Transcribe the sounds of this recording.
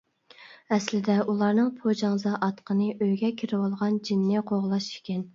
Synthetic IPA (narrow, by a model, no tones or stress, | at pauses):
ɛslɪd̪ɛulˠɑɾnɨŋpʰod͡ʒɑŋzɑʔɑt̪qʰənɨʔøjɡʲɛkʲʰiɾɪwɑlˠʁɑnd͡ʒinːɪqʰoʁlˠɑʃi̥kʲɛn